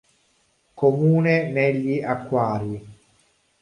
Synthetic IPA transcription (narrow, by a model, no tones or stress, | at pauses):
komuːneneʎːiʔakːwaːɾi